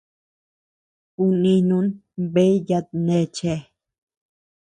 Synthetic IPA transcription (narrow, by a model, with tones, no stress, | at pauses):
u˧nĩ˧nũ˧˦n | be˦ija˧t̪̚ne˧t͡ʃe˧